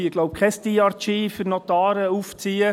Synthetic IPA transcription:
ɪɡ̥loʊp̚kʰɛst̪iːɑɾtiːfyɾnɔt̪ɑːɾəuft͡siːə

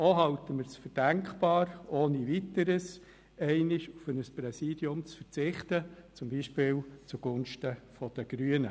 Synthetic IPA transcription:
oɦɑʊt̪əməɾsfəɾd̥æŋkpɑːɾoːniʋit̪əɾəs | ɛɪnɪʃufənəspɾɛsiːdjʊmt͡sfəɾt͡sɪχtət͡sʊmbiːʃpɪːlt͡suɡ̥ʊnʃtəfɔd̥əɡ̥ɾyənə

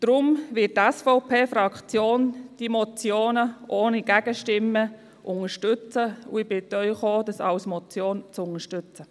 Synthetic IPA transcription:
d̪̥ɾʊmʋɪtæsfɔʊpʰeːfɾɑkt͡sjoːnd̥imɔt͡sjoːnəʔoːniɡ̥æɡ̥əʃtɪmːə | ʔʊŋəʃtʏt͡səṵɪb̥ɪd̥œʏχoːd̥ɑsɑ̰ʊsmɔt͡sjoːnt͡sʊŋəʃtʏt͡sə

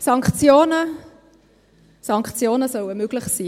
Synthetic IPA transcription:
sɑŋkt͡sjoːnə | sɑŋkχt͡sjoːnəsœwəmøɡ̥lɪχsiː

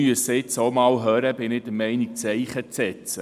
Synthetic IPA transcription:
yəsɪt͡somɑːlɦœːɾəbɪnɪd̥əmɛɪnik̚t͡sɛɪχət͡sɛt͡sə

